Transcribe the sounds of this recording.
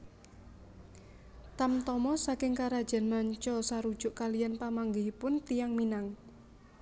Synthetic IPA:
t̪amt̪ɔmɔsakɪŋkaɾad̥ʒ̥a̤nmaɲt͡ʃɔsaɾud̥ʒ̥ʊ̤ʔkalijanpamaŋɡɪhipʊnt̪ijaŋminaŋ

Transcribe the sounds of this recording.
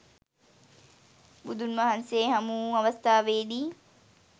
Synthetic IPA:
bud̪unmɐɦɐnseːɦɐmuːɐʋɐst̪ʰaːʋeːdiː

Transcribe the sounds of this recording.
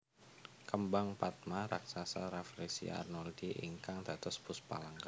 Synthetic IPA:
kəmbaŋpat̪̚maɾa̰ksasaɾafɾisḭa̰rnɔldiʔḭŋkaŋd̪̥at̪ʊsbʊspa̰laŋka

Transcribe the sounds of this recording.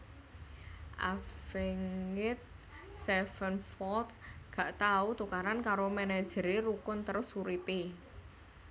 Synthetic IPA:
ʔa̰feŋŋɪt̪̚ | sɛfənfɔlt̪̚ɡ̥a̤ʔt̪aut̪ukaɾankaɾomɛnɛd̥ʒ̥əɾeɾukʊnt̪əɾʊsuɾipe

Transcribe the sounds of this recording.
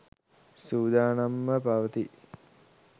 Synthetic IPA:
suːd̪aːnamːəpaʋət̪i

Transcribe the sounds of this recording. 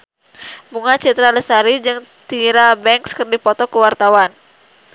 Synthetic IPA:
buŋat͡ʃɛt̪ɾaləsaɾid͡ʒɨŋt̪iɾabɛŋkskɨrdipɔt̪ɔkəwart̪awan

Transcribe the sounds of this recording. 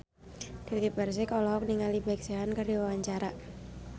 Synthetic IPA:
d̥ikibars̬ekɔlɔɔk̚niŋalibak̚seɦankardiwawaɲt͡ʃaɾa

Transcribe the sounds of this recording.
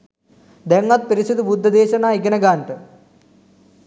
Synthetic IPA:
d̪eŋːɐt̪̚peɾiɕɐðubud̪ʱːɐd̪eːɕɐnaːiɡɐnɐɡaːɳʈɨ

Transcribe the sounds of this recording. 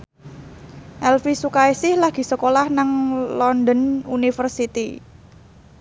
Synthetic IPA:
ʔɛlfisukaisɪhlaɡ̥i̤səkolahnaŋlɔnd̪ənunifərsit̪ḭ

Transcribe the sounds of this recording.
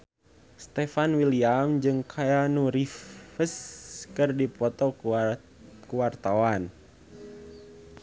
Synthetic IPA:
st̪ɛfanwiliamd͡ʒɨŋkʰajanuɾifəskɨrdipɔt̪ɔ | kuwart̪awan

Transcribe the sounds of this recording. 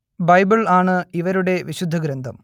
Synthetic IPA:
bɐjbiɭaːɳɨiʋɐɾuɽe̞ʋiɕud̪ʱːɐɡɾɐnd̪ʱɐm

